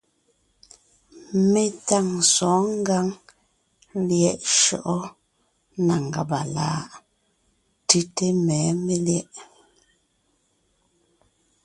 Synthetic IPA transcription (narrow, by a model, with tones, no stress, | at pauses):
me˦˨ta˦˨ŋsɔː˨˦ŋ̩˦ɡa˦ŋ | ljɛ˨ʔʃɔ̰˨ʔɔ˦ | na˨ŋ˨ɡa̰˨ba˨la̰˨˦ʔ | ti˦te˦mɛː˨˦me˦ljɛ˦ʔ